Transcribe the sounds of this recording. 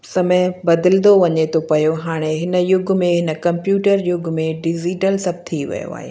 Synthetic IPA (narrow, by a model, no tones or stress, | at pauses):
sɐməbɐd̪ɪlɪnd̪oʋɐɲet̪ʰopɐjoɦaːɽ̃eɦɪnə̆jʊɡmẽɦɪnə̆kɐ̃mpjuːʈəɾjʊɡʱmẽɖɪd͡ʑiːʈəlsɐb̚t̪ʰiʋɐ̰jo̰a̰ːɦḛː